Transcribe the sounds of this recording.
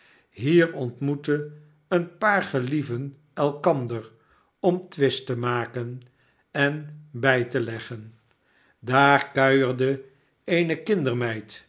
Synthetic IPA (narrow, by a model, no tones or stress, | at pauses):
ɦiːɹɔntmutə | ənpaːɹχəlivən | ɛlˠkɑndəɹ | ɔmtʋɪstəmaːkən | ɛnbɛjtəlɛχən | daːɹkœɥəɹdə | ejnəkɪndəɹmɛjt